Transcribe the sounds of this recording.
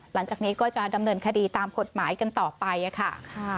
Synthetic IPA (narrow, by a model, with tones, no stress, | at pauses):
la˩˦ŋt͡ɕaː˨˩k̚niː˦˥kɔː˥˩t͡ɕa˨˩da˧mnɤː˧nkʰa˧diː˧t̪aː˧mko˨˩t̪̚maː˩˦jka˧nt̪ɔː˨˩pa˧jʔa˨˩kʰa˥˩